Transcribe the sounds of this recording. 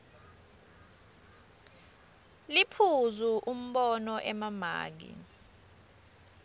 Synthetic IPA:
lipʰuzuʔum̩ɓɔnɔʔɛmama̰ːk̬ḭ

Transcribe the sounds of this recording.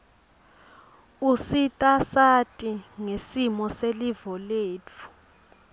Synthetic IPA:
usitʼasatʼiŋesimɔselivɔleːt͡fʰu̥

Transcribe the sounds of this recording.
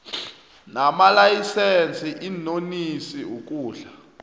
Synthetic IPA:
namalajisɛnt͡sʼiʔinonisiuk̬ʼuːɮa

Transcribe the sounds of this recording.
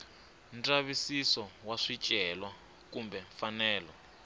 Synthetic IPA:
ntʼaβisisɔwaʂit͡ʃʼɛlwa | kumbɛɱfanɛːlɔ

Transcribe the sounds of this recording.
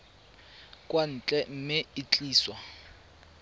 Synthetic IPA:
kʼwan̩t͡ɬʼɛm̩mɪɪt͡ɬʼiːswa

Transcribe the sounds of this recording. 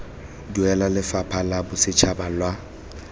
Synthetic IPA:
duɛlalɪfapʰalabʊsɪt͡ʃʰabalwa

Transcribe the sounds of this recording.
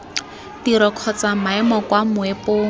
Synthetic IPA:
tiɾɔkʰɔt͡samaɛmɔkwamʊepoːŋ̩

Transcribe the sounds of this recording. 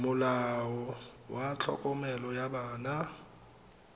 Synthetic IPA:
mʊlaɔwat͡ɬʰɔ̰kʼɔmɛlɔjabaːna

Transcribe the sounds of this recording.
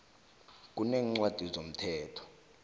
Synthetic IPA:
k̬ʼuneŋŋ͡ǀwad̥ʱizom̩tʰɛːtʰɔ̥

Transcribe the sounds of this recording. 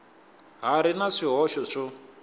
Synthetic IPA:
ɦaɾinaʂiɦɔʃɔʂɔ

